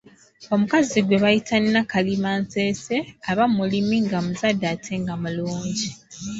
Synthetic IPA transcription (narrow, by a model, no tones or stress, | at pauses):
o̞mukaziɡwe̞βajitʰanːakalimanse̞ːse̞aβamulimiŋɡamuzadːaːtʰe̞ŋɡamuluːɲɟi